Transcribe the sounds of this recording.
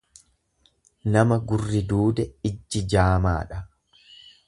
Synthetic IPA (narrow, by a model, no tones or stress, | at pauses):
nɐmɐɡʊrːɪd̪uːd̪ɛɪd͡ʒːɪd͡ʒaːma̰ːᶑɐ